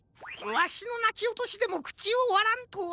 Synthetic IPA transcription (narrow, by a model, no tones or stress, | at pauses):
βaɕino̞nakʲiot̪o̞ɕid̪e̞mokɯ̟̥t͡ɕioβaɾãnt̪o